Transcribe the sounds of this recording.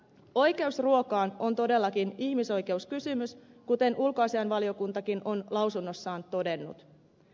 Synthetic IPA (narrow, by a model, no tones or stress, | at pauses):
o̞jke̞usruo̞kɑːno̞nt̪o̞de̞lːɑkiniçmiso̞jke̞uskysymyskut̪e̞nʔulkoɑsiɑnʋɑlio̞kunt̪ɑkinʔo̞nlɑwsunːo̞sːɑːnt̪o̞de̞nːṵt̪